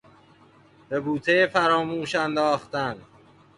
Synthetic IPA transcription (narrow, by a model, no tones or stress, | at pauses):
b̥e̞buːt̪ʰejefæɾɒːmuːʃænd̪ɒːxt̪æn